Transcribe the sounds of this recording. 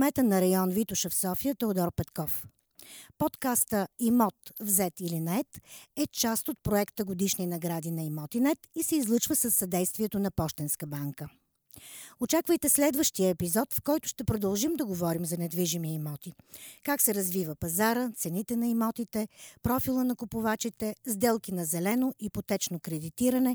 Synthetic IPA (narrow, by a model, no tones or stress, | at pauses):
mɛt̪ənɐɾɐjɔnvit̪ʊʃəfsɔfijət̪ɛod̪ɔɾpɛt̪kɔf | pɔt̪kast̪əimɔt̪vzɛt̪ilinɐɛt̪ɛt͡ʃast̪ot̪̚pɾoɛkt̪əɡod̪iʃninɐɡɾad̪inɐimɔt̪inɛt̪isɛizlˠət͡ʃvəsəsːɐd̪ɛjst̪viɛt̪onɐpɔʃt̪ɛnskəbaŋkə | ot͡ʃakvəjt̪ɛslɛd̪vəʃt̪iəɛpizɔt̪fkɔjt̪ʊ̥ʃt̪ɛpɾod̪ɐlˠʒimd̪ɐɡovɔɾimzɐnɛd̪viʒimiimɔt̪ikaksɛɾɐzvivəpɐzaɾət̪sɛnit̪ɛnɐimɔt̪it̪ɛpɾɔfilˠənɐkupʊvat͡ʃit̪ɛzd̪ɛlˠkinɐzɛlɛnoʔipot̪ɛt͡ʃnokɾɛd̪it̪iɾənɛ